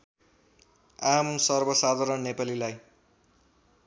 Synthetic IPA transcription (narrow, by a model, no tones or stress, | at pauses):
amsʌrbʌsad̪ʱaɾʌnnːepalilaj